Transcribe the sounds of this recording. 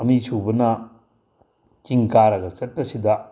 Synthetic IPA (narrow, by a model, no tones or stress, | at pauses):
ɐmisubɐnɐ | t͡ʃiŋkaɾɐɡɐt͡ʃɐt̚pɐsidɐ